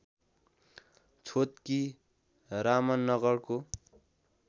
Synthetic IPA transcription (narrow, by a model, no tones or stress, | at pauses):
t͡sʰot̪̚ki | ramʌnːʌɡʌrko